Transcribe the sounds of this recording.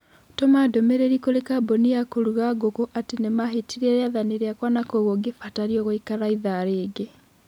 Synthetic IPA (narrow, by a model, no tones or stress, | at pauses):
tɔmadomeɾeɾikolekaboniakoɾuɣaɡokoʔatinemaɦetiɾeɾeaðaneɾeakwanakoɣoɡefataɾjoɣoikaɾaiðaɾeːɡe